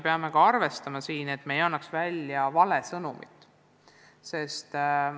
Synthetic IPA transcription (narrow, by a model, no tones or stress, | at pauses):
peɑme̞kɑɑrve̞st̪ɑmɑsiːne̞t̪ːˑme̞jɑnːɑksvælʲjɑvɑle̞sɤnumḭt̪ːˑ | se̞st̪